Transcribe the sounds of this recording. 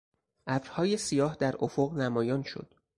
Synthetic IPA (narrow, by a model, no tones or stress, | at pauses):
ʔæbɾhɒːje̞sijɒːhd̪æɾʔofoɣnæmɒːjɒːnʃo̰d̪̥